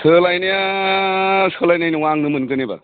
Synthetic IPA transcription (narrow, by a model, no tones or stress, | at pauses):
sʰɯlajnija | sʰɯlajnajniwaŋnɯmɯnkɯneba̰